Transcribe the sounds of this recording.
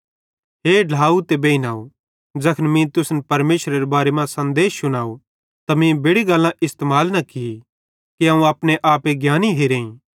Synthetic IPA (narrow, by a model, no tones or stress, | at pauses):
ɦeɖʱaːut̪ebeːinaːu | d͡ʒɐkʰənmĩt̪ʊsnpɐɾmeːʃɾeɾebaːɾemãsɐ̃nd̪eːsːʊñaːu | t̪ɐmĩbeːɽiɡɐlːãʔɪst̪emaːlnɐkɪi | kiɦãũɐpɽeʔaːpeɡjaːniɦeːɾẽːĩ